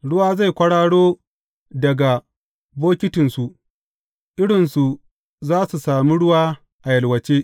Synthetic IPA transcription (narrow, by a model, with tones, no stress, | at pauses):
ɽʊ˦waː˦za˦˨jkʷɐ˦ɽaː˦ɽoː˦ | dɐ˨ɡa˨ | boː˦kʲɪ˦tɪ˨nsu˨ʔ | ʔɪ˦ɽɪ˨nsu˨ | zaː˦su˨saː˨mi˦ɽʊ˦waː˦ | ʔa˨jɐ˨lwɐ˨t͡ʃeː˦